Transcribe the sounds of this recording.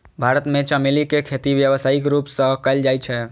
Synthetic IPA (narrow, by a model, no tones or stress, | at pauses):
bʱaɾət̪met͡ʃəmelikekʰet̪iʋjəʋəsaikɾupsə̃kəɪld͡ʒajt͡ʃʰɛ